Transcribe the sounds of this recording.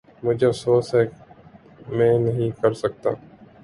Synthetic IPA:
mʊd͡ʒʱeːsoːsɦɛː | mẽːnəɦĩːkəɾsək̚t̪a̰ː

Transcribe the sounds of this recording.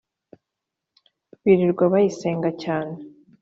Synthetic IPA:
βiɾiɾɡwaβajise̞ːŋɡacaːne

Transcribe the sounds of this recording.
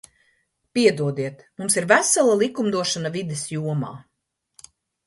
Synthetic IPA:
piɛd̪uɔd̪iɛt̪mumsiɾvæsalˠalˠikumd̪uɔʃanavid̪ɛsjuɔma̰ː

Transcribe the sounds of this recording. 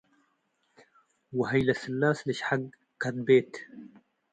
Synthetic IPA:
wɪɦajlasɪlːaːslɪʃħaɡ | kad̪̚beːt̪

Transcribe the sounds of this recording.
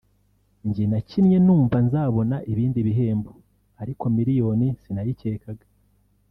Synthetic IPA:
ɲɟinacinɲe̞nuːɱvanzaːβo̞naʔiβiːndiβiɦe̞ːmbo | aɾiko̞miɾijo̞nisinajice̞ːkaɡḁ

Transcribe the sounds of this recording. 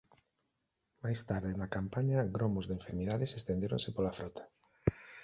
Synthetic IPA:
majst̪aɾðenakampaɲɐɣɾomozðeɱfeɾmiðaðesest̪end̪eɾõ̰nsɪpolafɾɔt̪ʰḁ

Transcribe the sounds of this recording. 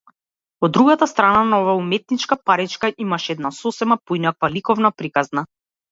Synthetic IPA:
ɔd̪ːɾuɡat̪ast̪ɾananaɔvaumɛt̪̚nit͡ʃkapaɾit͡ʃkaʔimaʃɛɛd̪nasɔsɛmapoinakvalikɔvnapɾikazna

